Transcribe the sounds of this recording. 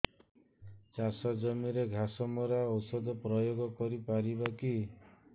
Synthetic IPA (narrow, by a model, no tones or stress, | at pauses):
t͡ʃasɔd͡ʒɔmiɾeɡʱasɔmɔɾaɔwsɔd̪ɔpɾɔjoɡɔkɔɾipaɾibaki